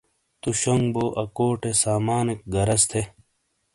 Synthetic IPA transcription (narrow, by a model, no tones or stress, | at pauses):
t̪uɕoŋɡboːʔɐkoːʈesaːmaːnek̚ɡɐɾɐst̪ʰe